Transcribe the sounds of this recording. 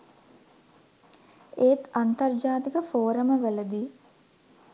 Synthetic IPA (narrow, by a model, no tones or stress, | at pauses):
eːt̪ant̪ɐrd͡ʒaːt̪ikəfoːɾəməʋələd̪iː